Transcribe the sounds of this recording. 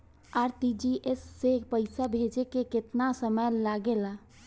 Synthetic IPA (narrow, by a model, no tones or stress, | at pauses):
aɾt̪id͡ʒiʔesːepəɪsabʱed͡ʒekeket̪nasəməjlaɡela